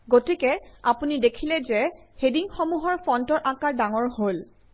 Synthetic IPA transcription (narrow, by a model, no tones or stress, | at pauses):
ɡotikɛapunidekʰilɛzɛhediŋxomuɦɔɹpʰɔntɔɹʔakaɹdaŋɔɹhol